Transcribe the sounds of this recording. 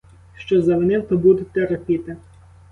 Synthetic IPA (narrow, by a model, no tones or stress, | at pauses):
ʃt͡ʃɔzɐʋenɪwt̪ɔbud̪ɪt̪eɾɐpʲit̪ɐ